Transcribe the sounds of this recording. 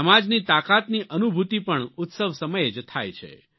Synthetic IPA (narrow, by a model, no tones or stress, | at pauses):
əmad͡ʒnit̪akat̪niʔənubʱut̪ipəɳʊt̪səʋsəməjed͡ʒt̪ʰa̰jt͡ʃʰḛ